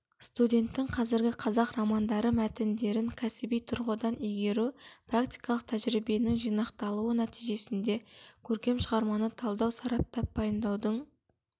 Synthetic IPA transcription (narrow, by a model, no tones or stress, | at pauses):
st̪ud̪ʲe̞nt̪ːɪŋqʰɑzɪɾɡʲɪqʰɑzɑqɾɑmɑnd̪ɑɾəmæt̪ɪnd̪e̞ɾɪŋkʲʰæsɪbijt̪ʰʊɾʁəd̪ɑnejɡʲe̞ɾuprakt̪i̥jkɑlˠəq̚t̪ʰæʒɾibe̞nɪŋʒijnɑqt̪ɑlˠuənæt̪ijʒe̞sɪnd̪e̞kʲʰɵɾkʲe̞mʃəʁɑɾmɑnət̪ʰɑlˠd̪ɑwsɑɾɑp̚t̪ɑpbɑjəmd̪ɑwd̪əɴ